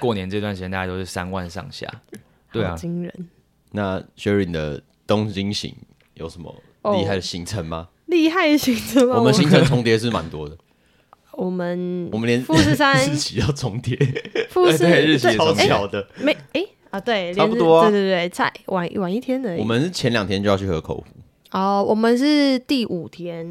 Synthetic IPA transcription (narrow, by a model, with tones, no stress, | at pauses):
kwɔ˥˩njɛ˧nəə˥˧t̪wa˥˩nʂi˨jɛ̃˧t̪a˧˩a˥˧o˥ɕʰi˥˩sa̰˦nwa̰˥˨nʂɑ̰˥˨ŋɕja̰˥˩ | t̪we˥˩t͡ɕi˦ŋɻə̰˧˦n | na˥˩ɕɛ˥˦ɹi˨˩d̪ə̰˩ | t̪o˥˦ŋt͡ɕi˦ŋɕḭ˨˧˦ŋ | jo̰˨˩ʊʂə˧˦nmə̰˨˦˧ | li˥˧a˥˩ɪd̪ə˨ɕi˧˥ŋt͡sʰə˧˦nma˨ | li˥˧ɦa˥˩ɪdə˩ɕi˧˥ŋt͡sʰə˧˦nwɔ˨mə˨nɕi˧˦ŋt͡sʰə˧˦nt͡sʰʊ˧˥ŋt̪jɛ˧˦ʂ̬ɻ̩˥˩ma̰˨˦nt̪wɔ˦d̪ə˨ | wɔ˨˩mə˨nɔ˨mə˨˦nljɛ˧˦nfu˥s̩˥˧sa˦n̩˥t͡ɕʰi˨jɑ˥˩ʊt͡sʰo˧˦ŋt̪ʰjɛ˦fu˥˧˥a˦˨˦jɑ˨˩ʊd̪ə˨me˧˦e˥˨˧t̪we˥˩ɪljɛ˥˦nt̪wɔ˥e˥˧twe˧˩t̪e˥˩t͡sʰa˥˩ɪwa˨˦nwa˨˦ni˥˩t̪ʰjɛ˥nə˨˦ɔ˨˩mə˨˦nʂɻ̩˥˩t͡ɕʰjɛ˧˦nljɑ˨ŋt̪ʰjɛ˥nt͡ɕo˥˧jɑ˥˧ʊt͡ɕʰy˥˩xɤ˧˦kʰo̰˨˩ʊfṵ˨˦ | ɔ˥˩wɔ˨˩mə˨nʂɻ̩˥˧t̪i˥˩ʔu˨˩t̪ʰjɛ˦˥n